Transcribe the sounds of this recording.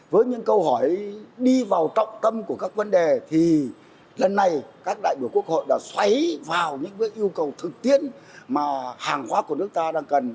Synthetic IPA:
vəː˨˦jɲɨ̰˧˥ŋkə˧whɔ˧˩jɗi˧vaː˨˩wt͡ɕə̰˧˨wŋ͡mt̪ə˧mku˧˩əkaː˦˥k̚və˨˦nɗe˨˩t̪ʰi˨˩ | lə˨˩nːa˨˩jkaː˦˥k̚ɗa̰ː˧˨jɓi˧˩əwku˦˥ək̚ho̰˧˨jɗa̰ː˧˥swa˨˦jvaː˨˩wɲɨ̰˧˥ŋkəː˨˦jʔi˧əwkə˨˩wt̪ʰɨ˨˩k̚t̪i˦˥ən | maː˨˩haː˨˩ŋxwaː˨˦ku˧˩ənɨ˦˥ək̚t̪aː˧ɗaː˧ŋkə˨˩n

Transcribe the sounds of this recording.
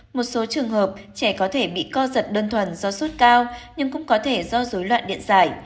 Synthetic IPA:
mo˨˩t̚so˨˦t͡ɕɨ˨˩əŋɦəː˨˩p̚t͡ɕɛ˧˩kɔ˨˦t̪ʰe˧˩ɓḭ˧˨kɔ˧zə˨˩t̚ɗəː˧nt̪ʰwə˧˩nzɔ˧su˦˥t̚kaː˧wɲɨ˧ŋkʊ̰˧˥ŋ͡mkɔ˨˦t̪ʰe˧˩zɔ˧zoː˨˦jlwa̰ː˧˨nɗḭ˧˨ənzaː˧˩j

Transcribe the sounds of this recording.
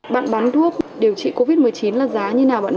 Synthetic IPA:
ɓa̰ː˧˨nɓaː˨˦ntu˦˥ək̚ɗe˨˩əwt͡ɕḭ˧˨ko˧vi˦˥t̚mɨ˨˩əjt͡ɕi˨˦nlaː˨˩zaː˨˦ɲɨ˧naː˨˩wɓa̰ː˧˨

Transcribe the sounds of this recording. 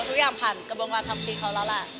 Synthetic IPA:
t̪ʰɾʰu˦˥jaː˧˩mpʰa˨˩nka˧bo˧nwaː˧˥t̪ʰa˧mkʰiː˧˩kʰa˧˦˥wla˦˥la˧˩

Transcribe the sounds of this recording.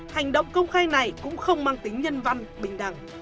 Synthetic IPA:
ha˨˩jŋ̟ɗə̰˧˨wŋ͡mkə˧wŋ͡mxaː˧jna˨˩jkʊ̰˧˥ŋ͡mxə˧wŋ͡mmaː˧ŋt̪ï˨˦ŋ̟ɲə˧nva˧nɓï˨˩ŋ̟ɗa̰˨˧˩ŋ

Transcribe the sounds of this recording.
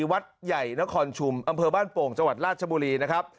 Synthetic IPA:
wa˦˥t̪̚ja˨˩jna˦˥kʰɔː˧nt͡ɕʰu˧mʔa˧mpʰɤː˧baː˥˩npoː˨˩ŋt͡ɕa˧ŋwa˨˩t̪̚ɾaː˥˩t̪̚t͡ɕa˧buː˧ɾiː˧na˦˥kʰɾa˦˥p̚

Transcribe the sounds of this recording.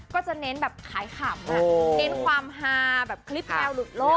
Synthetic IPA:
kɔː˥˩t͡ɕa˨˩ne˦˥nbɛː˨˩p̚kʰaː˩˦jkʰaː˨˩˦mːa˦˧ne˦˥nkʰwaː˧mɦaː˧bɛː˨˩p̚kʰli˦˥p̚n˧ɛː˧wlu˨˩t̪̚loː˥˩

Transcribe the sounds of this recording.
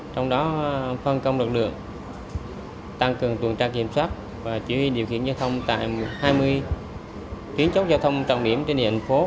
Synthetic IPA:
t͡ɕɔ˧wŋ͡mɗɔ˨˦fə˧nkə˧wŋ͡mlɨ˨˩k̚lɨ̰˧˨əŋ | t̪a˧ŋkɨ˨˩əŋt̪wə˨˩nt͡ɕaː˧ki˨˧˩əmswaː˦˥t̚ | vaː˨˩t͡ɕwi˧˩hwi˧ɗi˨˩əwxḭ˧˨ənzaː˧t̪ʰə˧wŋ͡mt̪a̰ː˧˨jhaː˧jmɨ˧əj | t̪wi˨˦ənt͡ɕə˦˥t̚zaː˧t̪ʰə˧wŋ͡mt͡ɕa̰˧˩wɗi˧˩əmt͡ɕe˧nɗḭ˧˨˩ŋfo˨˦

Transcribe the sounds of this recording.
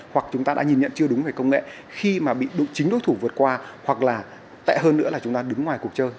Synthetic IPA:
hwa˨˩k̚t͡ɕʊ˨˦ŋ͡mt̪aː˧ɗa̰ː˧˥ɲi˨˩nɲə̰˧˨nt͡ɕɨ˧əɗʊ˨˦ŋ͡mve˨˩kə˧wŋ͡mŋḛ˧˨ | xi˧maː˨˩ɓḭ˧˨ɗo˨˦t͡ɕï˨˦ŋ̟ɗo˨˦jt̪ʰu˧˩vɨ˨˩ət̚kwaː˧hwa˨˩k̚laː˨˩ | t̪ɛ̰˧˨ɦəː˧nːɨ̰˧˥əlaː˨˩t͡ɕʊ˨˦ŋ͡mt̪aː˧ɗɨ˨˦ŋːwaː˨˩jku˨˩ək̚t͡ɕəː˧j

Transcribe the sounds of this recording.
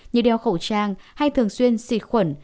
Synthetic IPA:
ɲɨ̰˧˩ɗɛ˨˧˩wxə˧˩wt͡ɕaː˧ŋha˧jt̪ʰɨ˨˩əŋswi˧ənsḭ˧˥xwə˧˩n

